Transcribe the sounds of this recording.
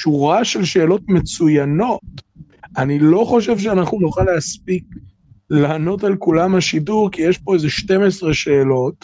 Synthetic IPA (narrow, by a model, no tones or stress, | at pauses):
ʃuʁaʃe̞lʃe̞ːlo̞tmet͡sujano̞t | ʔanilo̞χo̞ʃ̬e̞vʃeanaχnunoχaleaspik̚ | laːno̞talkulamhaʃiduʁkijeʃpo̞ezeʃte̞mesʁeʃe̞ːlo̞t